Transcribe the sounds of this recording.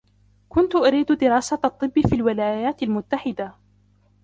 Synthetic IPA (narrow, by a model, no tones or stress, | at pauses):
kʊnt̪ʊʔaɾiːd̪d̪ɪɾɑːsaɑt̪ˤːɨbːfiːlwɪlaːjaːt̪almʊt̪ːaħɪd̪a